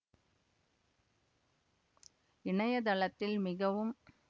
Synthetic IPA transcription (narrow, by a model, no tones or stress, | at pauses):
ɪɳɐjɐd̪ɐlɐt̪ːɪlmɪɣɐʋɯm